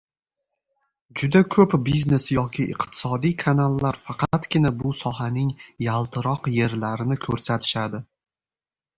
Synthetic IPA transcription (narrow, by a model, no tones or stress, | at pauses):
d͡ʒʊd̪akʰɵpbizne̞sjɒkʲʰɪʔɪ̰qt̪ʰɪ̥sɒd̪ijkʰanalˠːaɾfɑqʰɑt̪kʲɪnabʊsɒɦanɪŋjalˠt̪ʰɪɾɒqje̞ɾlaɾɪnɪkʰɵɾsat̪ʰɪ̥ʃad̪ɪ